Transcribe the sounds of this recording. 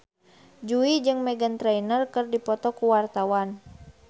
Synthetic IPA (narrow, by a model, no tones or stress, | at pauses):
d͡ʒuid͡ʒɨŋmɛɡənt̪ɾɛinərkərdipɔt̪ɔkuwart̪awan